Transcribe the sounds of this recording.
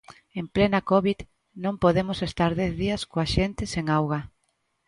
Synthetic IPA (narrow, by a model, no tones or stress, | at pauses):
emplenakoβið | nõmpoðemʊsest̪aɾðɛθðiɐskoaʃent̪ɪseŋawɣa